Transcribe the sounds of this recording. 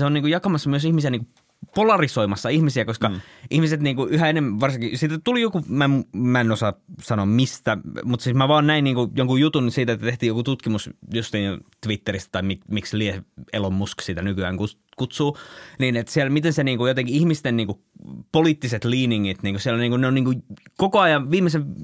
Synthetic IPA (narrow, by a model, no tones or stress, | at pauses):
seoniːkujɑkɑmɑsːɑmyøsihmisiæniŋku | polɑrisoimɑsːɑihmisiækoskɑʔihmiset̪niːŋkuʔyhæenemːæʋɑrsiŋkisit̪æt̪ulijokumæemmæenosɑsɑnoːmmist̪æmut̪siːsmæʋɑːnnæinniːŋkujoŋkujut̪unsiːt̪æet̪ːæt̪eht̪iːjokut̪ut̪kimusjust̪iːt̪ʋit̪ːeɾist̪æ̥t̪ɑimikmiksliehelomːusksiːt̪ænykyæːŋku | kut̪suːniːnet̪siɛlmit̪enseniːŋkujot̪eŋkiihmist̪enniːŋku | poliːt̪ːiset̪liːniŋːit̪niːŋkusielniːŋkuneoniːŋkujkokoɑjɑʋʋiːmeseʋ